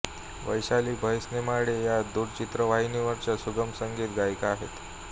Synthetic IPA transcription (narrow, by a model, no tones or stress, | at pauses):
ʋəjɕaliːbʱəjsnemaɽejad̪uɾt͡ɕit̪ɾəʋaɦiniʋəɾt͡ɕasuɡəmsəŋɡiːt̪ɡajkaaɦet̪